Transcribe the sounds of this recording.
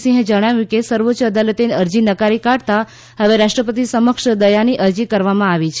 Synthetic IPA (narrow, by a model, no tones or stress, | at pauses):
sĩɦẽd͡ʒəɽ̃aʋjũkesəɾʋotːʃəəd̪alet̪eneəɾd͡ʒinəkaɾikaɽt̪a | ɦəʋeɾaʂʈɾəpət̪isəməkʂd̪əjaniʔəɾd͡ʒikəɾʋamãaʋit͡ʃʰ